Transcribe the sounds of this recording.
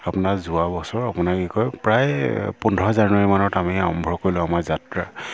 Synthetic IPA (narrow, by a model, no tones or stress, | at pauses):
apʊnazʊabɔsɔɹapʊnakikɔjpɹajpundʱɔzanʊwaɹimanɔtamiaɔmbʱɹɔkoɹilʊamazatɹa